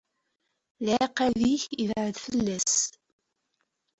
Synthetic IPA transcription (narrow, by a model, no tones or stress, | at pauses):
lʕeqːæðiçivʕəðfəlːæs